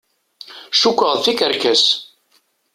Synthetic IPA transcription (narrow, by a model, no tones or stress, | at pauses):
ʃukʷːəʁθikəɾkæs